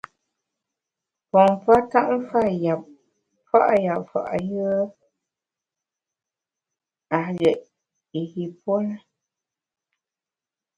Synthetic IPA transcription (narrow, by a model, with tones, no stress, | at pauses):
pɔ˨ŋ˨pa˦ta˦ʔm̩˦fa˦˨ja˨p̚ | fa̰˦ʔja˨pfa̰˨ʔa˨jɯ˦ | a˨ɣɛ˨ʔ | i˨ɣi˨po˦nə˦